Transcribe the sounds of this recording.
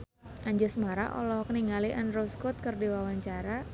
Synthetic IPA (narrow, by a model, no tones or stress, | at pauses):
ʔaɲd͡ʒəsmaɾa̰ʔɔ̰lɔhkəniŋaliʔanroskɔt̪̚kərdiwawaɲt͡ʃaɾa